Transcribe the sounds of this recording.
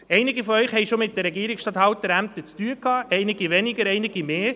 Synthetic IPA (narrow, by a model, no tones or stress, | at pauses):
ɛɪnɪɡifɔœʏχhɛɪʃomɪt̚d̥əɾɛɡiəɾɪksʃtɑthɑwt̪əɾæmt̪ət͡styəkʰɑːʔɛɪnɪɡiʋɛnɪɡəɾɛɪnɪɡ̥imeː